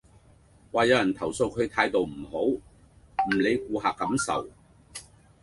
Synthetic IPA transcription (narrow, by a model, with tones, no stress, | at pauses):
waː˨jɐ˨˧wjɐ˨˩nt̪ʰɐ˨˩wso˧wkʰɵ˨˧ɥt̪ʰaː˧jt̪o˨wm̩˨˩ho˨˥w | m̩˨˩le˨˧jk̚uː˧ɦaː˨kːɐ˨˥msɐ̰˨˩w